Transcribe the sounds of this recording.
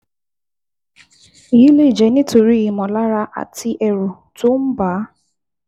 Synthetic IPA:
i˨i˦le˦˨d͡ʒe˨nɪ˦tʊ˨ɾi˦˨mɔ˨la˦ɾa˦ʔa̰˨tʰɪ˦ʔɛ˨ɾu˨ | tʊ˦m̩˦ba˨˦

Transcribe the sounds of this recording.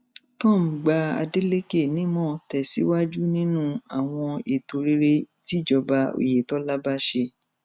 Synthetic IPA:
tɔ̃˦˨m̩˨ɡ͡ba˧˦a̰˧de˦le˦ke˦˨nĩ˨˦mɔ̃˦˨tɛ˨si˨˦wa˦d͡ʒu˦nĩ˦nũ˦a˨w̃ɔ̃˧e˨to˨ɾe˦ɾe˧ti˨˦d͡ʒɔ˧ba˧o̰˨je˨tɔ˨˦la˦ba˦ʃe˧

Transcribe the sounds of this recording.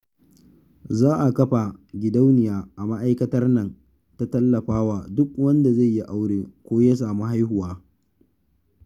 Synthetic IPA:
zaː˦ʔa˨kɐ˦ɸa˨ɡʲɪ˨da˦wnɪ˨jaː˦ʔa˨ma˦ʔa˦jkɐ˦tɐ˦rnɐ˨n | ta˦tɐ˦lːɐ˨ɸaː˦waː˨dʊ˦k̚wɐ˦nda˨za˦˨jːi˦ʔa˦wɽeː˨kʷoː˦ja˦s̬aː˨mu˦ɦa˦jhʊ˨waː˦

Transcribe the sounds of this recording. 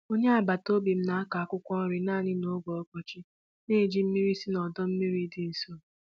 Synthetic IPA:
o˦ɲe˦a˨ba˨to˦bi˨m̩˦na˨a˦ka˨a˦˨kʷʊ˦kʷɔ˦ɾɪ˨naː˦˨ɲɪ˦no˦ɡɔ˨ɔ˦kɔ˨t͡ʃɪ˦ | ne˦˨d͡ʒi˦m̩˦mi˦ɾi˦si˦nɔ˨dɔ˦m̩˦mi˦ɾi˦dɪ˦n̩˨so˦˨

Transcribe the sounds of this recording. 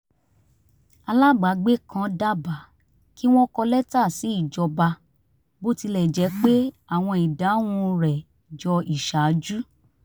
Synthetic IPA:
a˧la˦ɡ͡ba˨˦ɡ͡be˦kã˧˦da˦˨ba˨ | ki˦w̃ɔ̃˦kɔ˧lɛ˦ta˦˨si˨˦i˦˨d͡ʒɔ˧ba˧ | bo˦ti˧lɛ˨d͡ʒɛ˨˦k͡pe˦ | a˦˨w̃ɔ̃˧i˨da˨˦w̃ũ˧ɾɛ˨ | d͡ʒɔ˧i˨ʃa˨˦d͡ʒu˦

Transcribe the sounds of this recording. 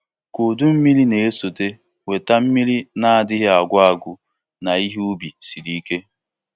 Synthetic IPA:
kʊ˨du˦m̩˦mi˦li˦ne˨e˦so˨te˦ | we˨ta˦m̩˦mi˦li˦na˦a˨dɪ˦ɦɪ˦a˨ɡʷʊ˦a˨ɡʷʊ˨ | na˨i˦ɦi˦u˦bi˨si˨ɾi˦ke˦

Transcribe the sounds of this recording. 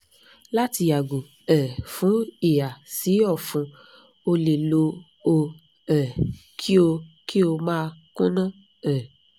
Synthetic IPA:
la˦ti˧ja˨ɡo˨ | ɛ˨fũ˨˦e˨a˨si˨˦ɔ˦˨fũ˧ | o˧le˨lo˧ | o˧ | ɛ˨kʰi˦o˧ki˦o˧mãː˦˨˧kũ˦nã˦ | ɛ˨

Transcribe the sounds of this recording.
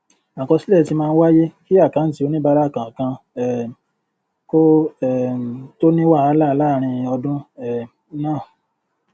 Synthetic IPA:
ã˨kɔ̃˧si˦lɛ˦˨ti˧mãː˧n̩˦wa˦je˦ki˦a˦˨kã˨˦n̩˨ti˧˦o˨˦nĩ˦ba˧ɾa˦˨kã˨kã˧ | ɛ˨ | ko˦ɛ˨to˦nĩ˦wa˦˨a˧˦la˦˧la˦˨ɾ̃ĩ˧ɔ˧dũ˦ɛ˦˨˦ | nãː˦˨

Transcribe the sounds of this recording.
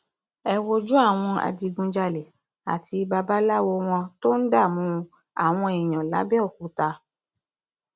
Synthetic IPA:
ɛ˧wo˧d͡ʒu˦a˦˨w̃ɔ̃˧a̰˧di˧ɡũ˧d͡ʒa˧lɛ˨ | a̰˨ti˧ba˧ba˦la˦wo˧w̃ɔ̃˧to˦n̩˦da˦˨mũ˨˦ | a̰˦˨w̃ɔ̃˧e˨j̃ɔ̃˨la̰˨˦bɛ˦o˦˨k̚u˨˦ta˧

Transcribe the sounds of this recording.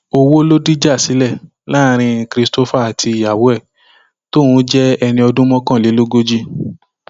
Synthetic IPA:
o˧wo˦lo˦di˦d͡ʒa˦˨si˨˦lɛ˦˨ | la˦˨ɾ̃ĩ˧kɾi˧sto˦fa˦a˨tʰi˧i˨ja˨wo˨˦ɛ˦˨ | to˦˨wũ˨˦d͡ʒɛ˦ɛ˧nĩ˧ɔ˧dũ˦mɔ̃˦kã˦˨le˨˦lo˦ɡo˦d͡ʒi˦

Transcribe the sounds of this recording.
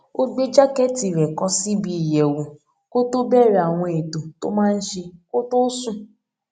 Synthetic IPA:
o˦ɡ͡be˦d͡ʒa˦kɛ˦ti˨ɾɛ˨kɔ˦si˦bi˦˨jɛ˨wo˨ | ko˦to˦bɛ˦ɾa˨w̃ɔ̃˧e˨do˨to̰˦mãː˦n̩˦ʃe˧ko˦to˦sũ˦

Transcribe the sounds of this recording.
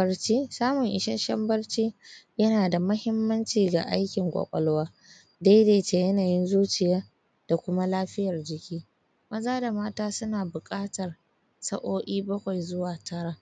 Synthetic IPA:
bɐ˦rt͡ʃiː˦saː˦mʊ˨ŋʔɪ˨ʃɐ˦nʃɐ˦mbɐ˦rt͡ʃiː˦jɐ˦naː˨da˨mɐ˦hɪ˦mːɐ˦nt͡ʃiː˨ɡa̰˨ʔa˦jkʲɪ˨ŋkʷʼɐ̰˨kʷʼɐ̰˨lo˦waː˦ | da˦jde˨t͡ʃe˨jɐ˦naː˨jɪ˦nzuː˦t͡ʃɪ˨jaː˦ | d̥a˨kʷʊ˦ma˦laː˦ɸɪ˦jɐ˨rd͡ʒɪ˨kʲiː˦ | mɐ˦zaː˦da˨maː˦taː˦sʊ˦naː˨bʊ˨kʼaː˦tɐ˨r | sɐ˦ʔoː˦ʔiː˦bɐ˦kʷa˨jzʊ˦waː˨tʰɐ˦ɽaː˦

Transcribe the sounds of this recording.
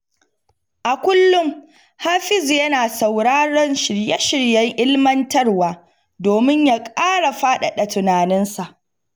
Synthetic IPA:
ʔa˨kʷʊ˦lːʊ˦ŋ | haː˦ɸɪ˦zjɐ˦naː˨sa˨wɽaː˦ɽɔ˦nʃɪ˨ɽjɛ˦ʃɪ˨ɽjɐ˦ŋʔɪ˦lmɐ˦ntɐ˦rwaː˨ | doː˨mɪ˦ɲja˦kʼaː˦ɽa˨ɸaː˦ɗa˨ɗɐ˨tʊ˨naː˨nɪ˦nsa˨ʔ

